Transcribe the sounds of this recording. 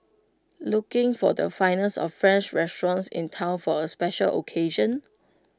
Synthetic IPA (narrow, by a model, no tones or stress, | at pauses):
lukɪ̃ŋfɔdə̰fãɪnəsɔ̰ffɹɛ̃nt͡ʃɹɛstɹɔ̃nsɪ̰̃ntʰãʊ̃nfɔəspɛʃəlʔo̰kʰeʒə̃n